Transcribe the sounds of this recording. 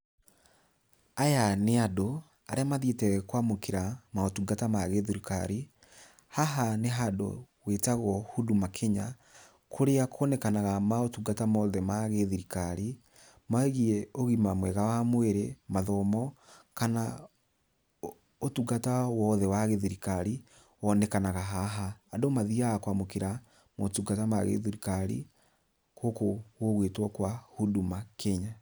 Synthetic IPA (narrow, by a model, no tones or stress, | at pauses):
ajaneado | a̰ɾeamaðietɛwɛkwamokeɾamaotuɡatamaɣeðiɾika̰ɾi | haɦaneɦado̰ | wetaɣɔhudumakʰeɲa | kʰoɾeakʰɔnɛkanaɣamaotuɡatamɔðɛmaɣeðiɾikaɾi | maɛɣiɛoɣimamwɛɣawamweɾemaðɔmɔkana | otuɡatawɔðɛwaɣeðiɾikaɾi | wɔnɛkanaɣaɦaɦaːdomaðiaːkwamokeɾa | motuɡatamaɣḛðiɾikaɾḭ | kokowoɣwetwɔkwahudumakʰeɲa